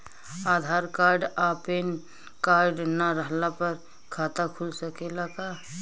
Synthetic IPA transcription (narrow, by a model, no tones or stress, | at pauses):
aːd̪ʱaːɾkaːɾɖaːpen | kaːɾɖnaɾəɦlapəɾ | kʰaːt̪akʰʊlsəkelaka